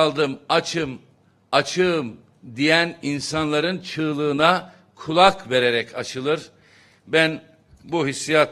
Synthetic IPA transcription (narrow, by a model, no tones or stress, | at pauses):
lˠd̪ɯmat͡ʃʰɯm | at͡ʃʰɯːm | d̪ijæninsanlˠaɾɯnt͡ʃʰɯːlˠɯːna | kʰulˠakve̞ɾe̞ɾɛcʰat͡ʃʰɯlˠɯɾ̥ | bæn | buɦisːijat̪